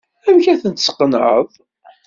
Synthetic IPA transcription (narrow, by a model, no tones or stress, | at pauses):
æmçæθənt̪ə̥sqːənə̰ðˤ